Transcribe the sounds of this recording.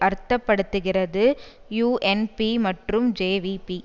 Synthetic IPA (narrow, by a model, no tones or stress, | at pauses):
ʔɐɾt̪ːɐpːɐɽɯt̪ːɯɣɪrɐðɯ | juːʔɛnpimɐʈrɯmd͡ʒeːʋipi